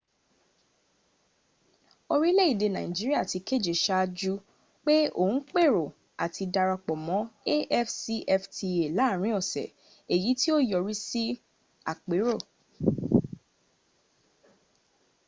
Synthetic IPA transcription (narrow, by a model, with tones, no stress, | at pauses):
o˧ɾi˦le˦i˦˨de˧nã̰˨ĩ˨d͡ʒi˦ɾi˦a˦˨ti˨˧ke˦˨d͡ʒe˨ʃa˦˧d͡ʒu˦ | k͡pe˦o̰˦˨ũ˦k͡pe˦˨ɾo˨ | a˨tʰi˧da˧ɾa˧k͡pɔ˨mɔ̃˨˦e˦ʔɛ˦fsi˧ʔɛ˧ftʰi˧e˨la˨˦˨ɾ̃ĩ˨˦ɔ˨sɛ̰˨ | e˨ji˨˦ti˦o˦jɔ˨ɾi˦si˦ | a̰˨k͡pe˨˦ɾo˦˨